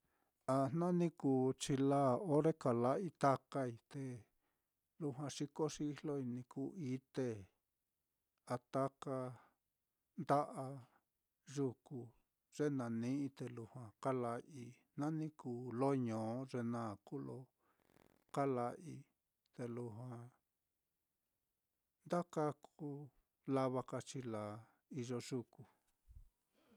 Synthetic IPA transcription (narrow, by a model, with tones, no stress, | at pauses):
a˧nnã˦nĩ˦kuː˧˨t͡ʃi˧laː˦˨o˦ɾe˦ka˨la˧˦i˦t̪a˦ka˦i˧t̪e˧ | lu˧ɦwã˧ʂi˧ko˦ʂi˧i˦˧lo˦i˧nĩ˧ku˧˦ʔi˦t̪e˧ | a˧t̪a˦ka˧ | nd̪a˦ʔa˧ | ʐu˧ku˧ | ʐ̥e˦nã˨nĩ˦ʔĩ˧t̪e˧lu˧hwã˨ka˦la˧ʔi˧ | nã˦nĩ˦kuː˧lo˦ɲõː˨˦ʐe˧nã˦˨ku˦lo˧ | ka˦la˧ʔi˧˦ | t̪e˧lu˧ɦwã˧ | nd̪a˦ka˦kʰu˦ | la˧βa˧ka˧t͡ʃi˧la˨ | i˧ʒo˧ʒu˧ku˨